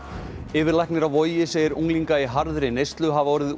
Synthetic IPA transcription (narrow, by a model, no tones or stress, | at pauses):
ɪːvɪɾlajknɪɾawvɔjɪseːjɪɾuŋliŋkaiɦaɾðɾɪnejst̪lʏɦavɔːɾɪð